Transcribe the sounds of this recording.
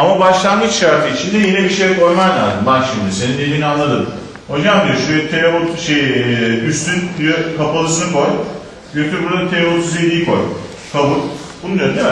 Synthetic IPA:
amabaʃlˠanmɯt͡ʃʃaɾt̪ʰɯit͡ʃʰind̪ɛjinɛbiʃejko̞jmaɾlʲaɾd̪ɯmbanʃimd̪ise̞ninelʲinianlːˠad̪ɯm | hod͡ʒamd̪ijoʃujɛt̪ʰeɾeot̪ʃejyst̪ʰynd̪ijøkʰapalˠɯsɯnɯko̞j | ɡøt̪ʰɛbuɾd̪aat̪ʰeɾefot̪ʰyzʲed̪ijːkʰo̞̰j | kʰabuɾ | bununøn

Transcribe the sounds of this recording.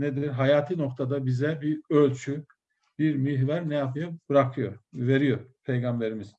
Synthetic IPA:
ned̪ɾɦajaːt̪ʰɯno̞kt̪ʰad̪abizɛbiølʲt͡ʃʰy | biɾmiɦvaɾnɛjapʰɯjabɯɾakʰɯjoɾve̞ɾijoɾpʰe̞jɡambe̞ɾimiz̥

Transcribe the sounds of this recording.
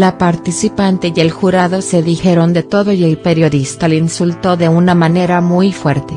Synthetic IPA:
lapaɾt̪isipant̪eje̞lxuɾaðo̞se̞ðixe̞ɾo̞nd̪e̞t̪o̞ðo̞jelpe̞ɾjo̞ðist̪alinsult̪o̞ðe̞unamãne̞ɾamujfwe̞ɾt̪e̞

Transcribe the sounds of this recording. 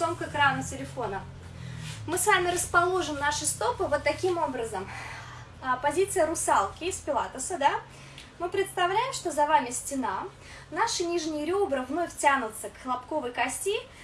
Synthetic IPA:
omkəkɾanətʲɪlʲɪfo̞nə | mɨsvamʲɪrəspɐlˠo̞ʐɨmnaʂɨst̪o̞pɨvo̞t̪ːɐkʲimo̞bɾəzəm | pɐzʲit̪sɨjəɾʊsalˠkʲɪspʲɪlˠat̪əsəd̪a | mɨpɾʲɪt̪st̪ɐvlʲæjɪmʂt̪o̞zɐvamʲɪsʲtʲɪna | naʂɨnʲiʐnʲɪjəɾʲobɾəvno̞fʲtʲanʊt̪səkxəlˠɐpko̞vəjkɐsʲtʲi

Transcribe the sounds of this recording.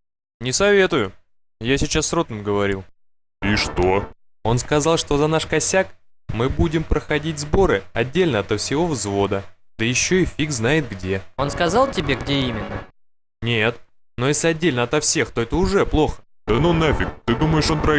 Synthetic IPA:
nʲɪsɐvʲe̞t̪ʊjʊ | jasʲɪt͡ɕasːrot̪nɨmɡəvɐɾʲilˠ | iʂt̪o | o̞nskɐzɑlˠʂt̪o̞zɐnaʂkɐsʲak | mɨbudʲɪmpɾəxɐdʲitʲzbo̞ɾɨɐ̰dʲːelʲnəɐt̪ɐfsʲɪvo̞vzvo̞d̪ə | d̪̥əjɪɕːo̞ɪfʲikznajɪt̪̚ɡdʲe̞o̞nskɐzɑlˠtʲɪbʲe̞ɡdʲeimʲɪnːə | nʲet̪ | no̞jesʲlʲɪɐdʲːelʲnəɐt̪ɐfsʲe̞xt̪o̞ɛt̪əʊʐɛplˠo̞xə̥ | d̪̥ənonɛfʲɪk̚t̪ɨd̪uməjɪʂo̞nt̪ɾɐ

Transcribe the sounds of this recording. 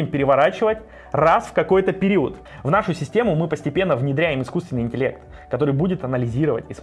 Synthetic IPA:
ɪmpʲɪɾʲɪvɐɾat͡ɕɪvətʲ | rasfkɐko̞jt̪əpʲɪɾʲiət̪ | vnaʂʊsʲɪsʲtʲe̞mʊmɨpəsʲtʲɪpʲe̞nːəvnʲɪd̪ɾʲæjɪmɪskust̪vʲɪnːɨɪnʲtʲɪlʲe̞kt̪ | kɐt̪o̞ɾɨjbudʲɪt̪ɐnəlʲɪzʲiɾəvə̰tʲɪs

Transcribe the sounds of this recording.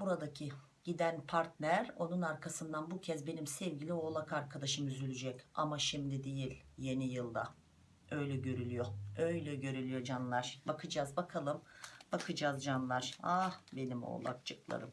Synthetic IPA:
buɾad̪acʰi | ɟ̥id̪ænpʰaɾt̪nʲæɾo̞nunaɾkʰasɯnd̪anbucʰɛzbe̞nimsɛvɟilʲio̞ːlˠakaɾkʰad̪aʃɯmyzylʲyd͡ʒɛca̰maʃimd̪id̪e̞jilʲje̞nijɯlˠd̪a̰ | ø̞jlʲɛɟø̞ɾylʲyjo̞ø̞jlʲɛɟø̞ɾylʲyjo̞d͡ʒanlˠaɾ̥bakʰɯd͡ʒaːzbakʰalˠɯmbakʰɯd͡ʒazd͡ʒanlˠaɾ̥ahbe̞nimo̰lˠa̰kt͡ʃʰɯklˠa̰ɾɯm

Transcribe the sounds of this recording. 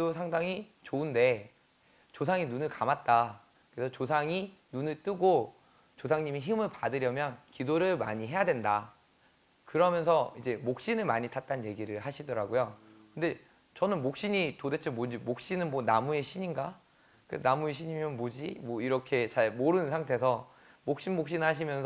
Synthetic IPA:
osʰaŋdaŋi | t͡ɕoɯnde̞ | t͡ɕosʰaŋinunɯɭkamat̚t͈a | kɯɾesʰʌt͡ɕosʰaŋinunɯɭt͈ɯɡo | t͡ɕosʰaŋɲimiçimɯɭpadɯɾjʌmjʌnkidoɾɯɭma̰ɲiɦe̞jadwe̞nda | kɯɾʌmjʌnsʰʌid͡ʑe̞mok̚ɕ͈inɯɭmaɲitʰat̚t͈annje̞ɡiɾɯɭɦaɕʰidʌɾaɡojokɯnde̞ | t͡ɕʌnɯnmok̚ɕ͈iɲitode̞t͡ɕʰemod͡ʑimok̚ɕ͈inɯnmwʌnamue̞ɕʰiɲinɡa | kenamueɕʰiɲimjʌnmod͡ʑimwʌiɾʌkʰe̞t͡ɕaɭmoɾɯnɯnsʰaŋtʰe̞sʰʌ | mok̚ɕ͈inmok̚ɕ͈inɯɭɦaɕ̬ʰimjʌnsʰ

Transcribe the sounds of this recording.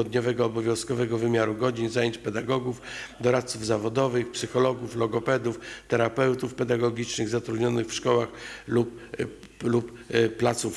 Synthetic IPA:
ɔd̪ɲɔvɛɡɔːbɔvʲjɔ̃w̃skɔvɛɡɔvɘmʲjaɾuɡɔd͡ʑinzajeɲt͡ɕpɛd̪aɡɔɡufd̪ɔɾat̪suvzavɔd̪ɔvɘxpsɘxɔlɔɡuflɔɡɔpɛd̪uft̪ɛɾapɛwt̪ufpɛd̪aɡɔɡʲit͡ʂnɘɣzat̪ɾud̪ɲɔnɘxfʂkɔwaxlup | luppːlat̪suf

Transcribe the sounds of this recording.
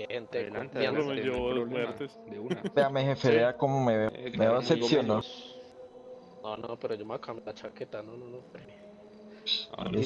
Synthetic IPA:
ent̪ekeeeomeɾt̪eseamehefeɾeakomomemeaasesjono | nonopeɾod͡ʒomakʰamjlat͡ʃaket̪anononoɾe | a̰e

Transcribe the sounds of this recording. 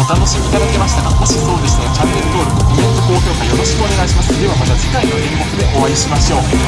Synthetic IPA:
ot̪ano̞ɕimʲiɡad̪ake̞maɕi̥t̪aɡamoɕiso̞ːd̪e̞sɨnot͡ɕampeɾt̪o̞ːɾɯ̟imẽnzoko̞ːkʲo̞ːkaio̞ɾo̞ɕi̥kɯone̞ɡaiɕimasɨod̪e̞βamat̪azekainoɾemːo̞kɯ̟d̪e̞ʔo̞βaiɕimaɕo̞ː

